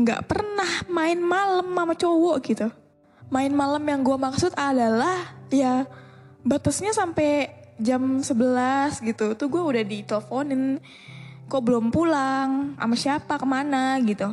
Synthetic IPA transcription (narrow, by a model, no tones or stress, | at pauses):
ŋɡa̰ʔpərnahmaɪnmaləmːamat͡ʃowɔʔɡit̪u | maɪnmaləmjaŋɡuamaksʊt̪adalahja | bat̪əsɲasampɛ | d͡ʒamsəbəlasɡit̪ut̪uɡuaudahdit̪eləfonɪn | kɔʔbəlʊmpulaŋa̰masiapakəmanaɡit̪u